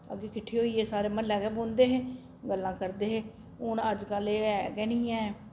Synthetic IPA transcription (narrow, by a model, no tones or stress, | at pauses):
ə̰ɡeːkɪʈʰːeːɦoːiːeːsaːɾeːmənlɛːɡeːbõːnd̪eːɦeː | ɡəlːãːkəɾd̪eːɦeː | ʊnəd͡ʒkəleːɛkɛːnĩːãːɛː